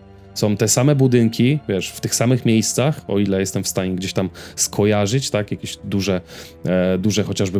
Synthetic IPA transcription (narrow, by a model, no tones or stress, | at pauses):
sɔ̃w̃t̪ɛsamɛbud̪ɘŋkʲivʲjɛʂft̪ɘxsamɘxmʲjejst̪saxɔ̰ilɛjɛst̪ɛmfst̪aɲɛɡd͡ʑeɕt̪amskʰɔjaʐɘt͡ɕt̪akjakʲeɕd̪uʐɛ | d̪uʐɛxɔt͡ɕaʐbɘ